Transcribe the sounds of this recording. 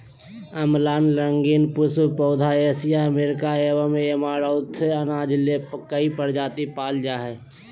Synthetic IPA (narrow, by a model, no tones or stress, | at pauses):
əmlaːnləŋɡinpʊspoːd̪ʱaeːsijaəmeːɾɪkaeːʋamẽemaːɾaʊt̪ʰːənaːd͡ʒlekəipəɾd͡ʒaːt̪ipaːld͡ʒaːɦɛː